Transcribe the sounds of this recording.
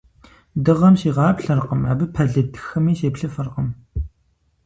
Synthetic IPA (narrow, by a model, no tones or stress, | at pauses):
dɨʁɐmʃiːʁɑːpɬɐrqəmaːbɨpʰɐɮɨtʰɨ̥xɨmiːʃeːpɬɨfɐrqəm